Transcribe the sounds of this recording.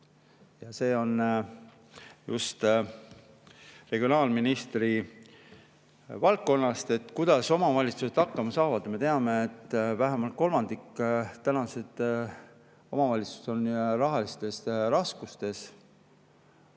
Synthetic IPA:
jɑse̞ːo̞n | jṵst̪ | re̞ɡ̥io̞nɑːlminist̪ri | vɑlt̪̚kːo̞nːɑst̪e̞t̪ːˑkujd̪̥ɑso̞mɑvɑlʲit̪suse̞t̪ɑkːɑmɑsɑːvɑd̪me̞t̪eɑme̞et̪ːvæɦemɑlt̪̚ko̞lmɑnd̪ikːt̪ːænɑse̞d̪̥ | o̞mɑvɑlʲit̪su̥so̞nrɑɦɑlist̪e̞srɑskust̪e̞s

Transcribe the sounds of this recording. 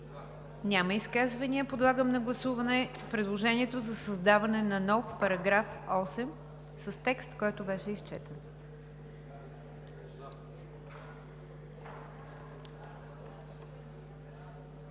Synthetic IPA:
nʲaməiskazvɐniəpod̪lˠaɡəmnɐɡlˠɐsuvɐnɛ | pɾɛd̪lˠoʒɛnʲiɛt̪ozɐsɐzd̪avɐnɛnɐnɔfpɐɾɐɡɾafɔsɛm | səst̪ɛkst̪kɔjt̪ʊvɛʃɛist͡ʃɛt̪ən

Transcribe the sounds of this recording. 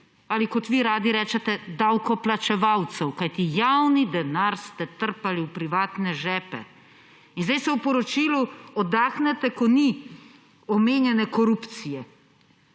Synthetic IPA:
alikɔt̪ʋiɾaːd̪iɾɛːt͡ʃɛt̪ɛd̪awkɔplat͡ʃɛʋawt̪sɛwkajt̪ijawnid̪ɛnaɾst̪ɛt̪əɾpaliwpɾiʋaːt̪nɛʒɛːpɛ̰ | inzd̪ajsɛwpɔɾɔt͡ʃiːluɔd̪aːxnɛt̪ɛkɔni | ɔmeːnjɛnɛkɔɾupt̪sijɛ

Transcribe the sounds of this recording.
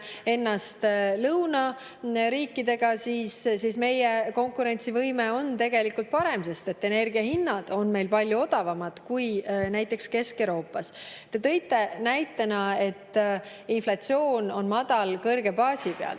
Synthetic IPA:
e̞nːɑst̪lɤwnɑ | ɾiːkːˑid̪e̞ɡ̥ɑsiːssisme̞jeko̞ŋkˑuɾe̞nʲt̪sivɤjme̞o̞nt̪e̞ɡ̥e̞likult̪̚pɑɾe̞mse̞st̪e̞t̪ːˑe̞ne̞rɡ̥iɑɦinːɑd̪̥o̞nme̞jlpɑlʲjuo̞d̪̥ɑvɑmɑd̪̥kujnæjt̪ˑːe̞kske̞skewɾo̞ːpːˑɑst̪e̞t̪ɤ̞jt̪ːe̞næjt̪ːˑenɑe̞t̪ː | inflɑt̪sio̞ːno̞nmɑd̪̥ɑlkɤrɡ̥e̞pɑːsipeɑ̰l

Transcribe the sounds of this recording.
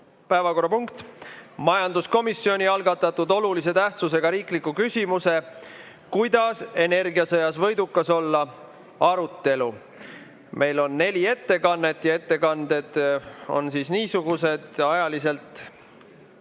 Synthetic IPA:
pæevɑko̞rːɑpuŋkt̪mɑjɑnd̪̥usko̞misːio̞nʲiɑlɡɑt̪ːˑɑt̪ːud̪o̞lulise̞t̪æht̪suse̞ɡ̥ɑɾiːklikːukysʲimuse̞ | kujd̪̥ɑse̞ne̞rɡiɑsɤ̞jɑsvɤ̞jd̪ukːɑso̞lːɑ | ɑɾut̪ːe̞lu | mʔe̞jlo̞nːe̞lʲie̞t̪ːe̞kɑnːe̞t̪ːˑjɑe̞t̪ːe̞kɑnd̪e̞d̪̥o̞̰nsiːsniːsuɡ̥use̞d̪̥ɑjɑlise̞lt̪ˑ

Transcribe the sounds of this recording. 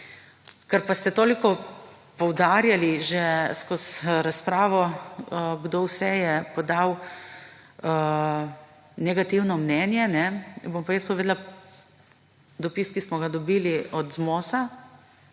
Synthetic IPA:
kɛɾpast̪ɛt̪oːlikɔ | pɔwd̪aːɾjaliʒɛskɔsɾaspɾaːʋɔ | ɡd̪owsɛjɛpɔd̪aw | nɛɡat̪iwnɔmnɛnjɛnɛbompajəs̚pɔʋeːd̪la | d̪ɔpiskismɔɡad̪ɔbiːliɔd̪zmoːsa

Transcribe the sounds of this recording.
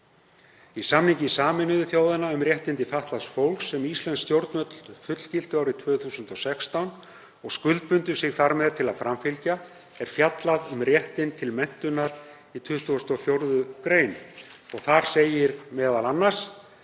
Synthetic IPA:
isamnhiɲcɪsaːmɪnʏðʏθjoːwðɪnaʏmrjɛht̪ɪnt̪ɪfaht̪lasfowlksːɛmist̪lɛnst̪jowɾt̪nœt̪l̥fʏt̪l̥cɪl̥t̪ʏawɾɪt̪ʰvœːθuːsʏnt̪ɔsɛkst̪awn | ɔɣskʏlt̪̚pʏnt̪ʏɾsɪɣθaɾmɛðt̪ʰɪlaðfɾamfɪlca | ɛɾ̥fjat̪laðʏmrjɛht̪ɪnt̪ʰɪlmɛn̥t̪ʏnaɾ | it̪ʰʏht̪uɔst̪ɔfjowɾðʏkɾeːjnɔɣθaɾ̥seːjɪɾmɛːðalanːḁs

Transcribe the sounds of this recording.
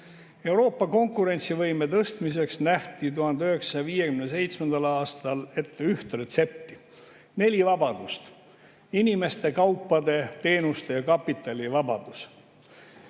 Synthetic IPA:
e̞wɾo̞ːpːˑɑko̞ŋkˑuɾe̞nʲt̪sivɤjme̞t̪ɤst̪mis̬e̞ksnæht̪it̪̬uhɑnd̪eyɦe̞ksɑ̥sɑjɑviːje̞kymnes̬e̞jt̪sme̞nd̪̥ɑlɑːst̪ɑle̞t̪ːeyht̪re̞t̪se̞p̚t̪ːi | ne̞lʲivɑbɑd̪̥ust̪ | inime̞st̪e̞kɑwpˑːɑd̪e̞t̪e̞ːnust̪e̞jɑkɑpːˑit̪ːˑɑlʲivɑbɑd̪̥us

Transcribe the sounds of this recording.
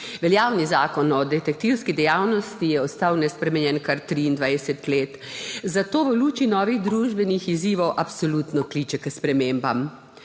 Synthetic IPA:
ʋɛljaːwnizaːkɔnɔd̪ɛt̪ɛk̚t̪iwskid̪ɛjaːwnɔst̪ijɛɔst̪awnɛspɾɛmɛnjɛnkaɾt̪ɾiːnd̪ʋajsɛt̪leːt̪ | zat̪oːʋəluːt͡ʃinɔːʋiɣd̪ɾuʒbɛnixiziːʋɔwʔapsɔlut̪nɔkliːt͡ʃɛkəspɾɛmembam

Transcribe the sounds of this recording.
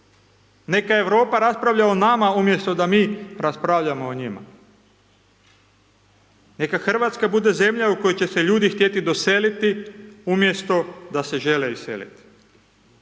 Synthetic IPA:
ne̞kaeʋɾo̞ːpaɾaspɾaʋʎaonamaumje̞st̪o̞d̪amiːɾaspɾaʋʎamo̞ːɲima̰ | ne̞kaxr̩ʋat̪skabud̪e̞ze̞mʎaukojot͡ɕe̞se̞ʎuːd̪ixt̪je̞t̪id̪o̞selit̪iumje̞st̪o̞d̪ase̞ʒe̞leisḛlḭt̪i̥

